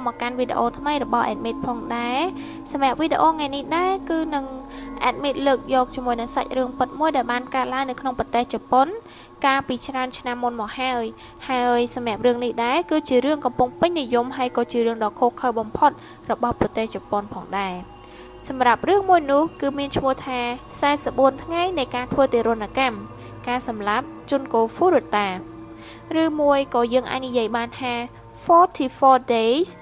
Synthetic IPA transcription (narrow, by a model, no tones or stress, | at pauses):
mɔkanʋiɗḛʔoːt̪ʰməjrɔɓɑhʔa̰ɛt̪̚meːt̪̚pʰɑːŋɗaɛ | sɑmɛ̆əp̚ʋiɗḛʔoːŋajnihɗaɛkɨːnɨŋʔa̰ɛt̪̚miːt̪̚ləːk̚jɔːk̚t͡ɕiəmuəjnɨŋsac̚rɨəŋpɨt̪̚muəjɗaɛlɓaːnkaət̪̚laəŋnɨwkʰnoŋprɑt̪eːht͡ɕɑpon | kaːlpiːt͡ɕraənt͡ɕʰnamːunmɔːk̚haəj | haəjsamɛ̆əp̚rɨəŋnihɗaɛkɨːt͡ɕiəɾɨəŋkɑmpuŋpɨɲnijumɦaəjkɔːt͡ɕiəɾɨəŋɗɑːkʰoːkʰəwɓɑmpʰot̪̚ | rɔɓɑhprɑt̪eːht͡ɕupːonpʰɑːŋɗaɛ | sɑmrap̚rɨəŋmuəjnʊ̆əhkɨːmiənt͡ɕʰmʊ̆əht̪ʰaː | saɛsəp̚ɓuənt̪ʰŋajnɨjkaːt̪ʰʋəːt̪eːɾʊənːakam | kaːsɑmlap̚t͡ɕuənkoːfuːɾuət̪aː | rɨːmuəjkɑːjəːŋʔa̰ːc̚nijiəjɓaːnt̪ʰaː | fɔːt̪ʰiːfɔːɗeːs